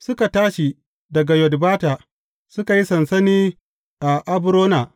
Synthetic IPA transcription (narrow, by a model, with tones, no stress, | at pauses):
sʊ˦ka˨taː˦ʃi˨ | dɐ˨ɡa˨jɔ˨dbaː˦taː˨ | sʊ˦ka˨ji˦sɐ˨nsɐ˦niː˦ | ʔa˨ʔa˦bʊ˦ɾoː˦na˨ʔ